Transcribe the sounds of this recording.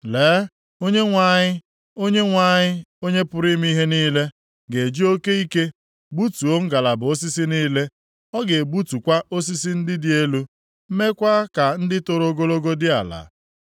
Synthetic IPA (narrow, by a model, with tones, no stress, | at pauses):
leː˨˦ | o˦ɲe˦ŋʷa˨ɲɪ˦ | o˦ɲe˦ŋʷa˦˨ɲɪ˦o˦ɲe˦pʊ˦ɾi˦m˦i˦ɦe˦niː˦le˦ | ɡe˨d͡ʒi˦o˦ke˦i˦ke˦ | ɡ͡bu˦tu˨o˦ŋ̩˦ɡa˨la˨bʊ˨o˦s̬i˦si˦niː˦le˦ | ɔ˦ɡe˨bu˦tu˨kʷa˦ʔo˦s̬i˦si˦n̩˦dɪ˦dɪ˨e˦lu˦ | m̩˦me˦kʷa˦ka˨n̩˦dɪ˦to˨ɾo˦ɡo˦lo˦ɡo˦dɪ˦a˨la̰˨˦